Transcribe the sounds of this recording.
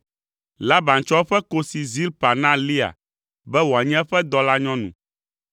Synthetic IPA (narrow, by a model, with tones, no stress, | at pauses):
la˦ba˨n˨t͡ʃɔ˦ɸɛ˦ko˦si˨zi˦lpa˨nã˦li˦a̰˨ | bɛ˦wo˨a˨ɲɛ̃˦ɛ˦ɸɛ˦d̪ɔ˦la˦ɲɔ̃˦nṵ̃˨